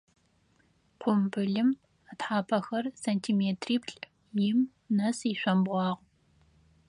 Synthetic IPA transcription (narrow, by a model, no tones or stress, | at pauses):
qʷʊmbɨɮɨm | atħaːpʰɐxɐrsɐntʰiːmeːtʰriːpʰɬʼ | jɪm | nɐsiɕʷɐmbʁʷɑːʁʷ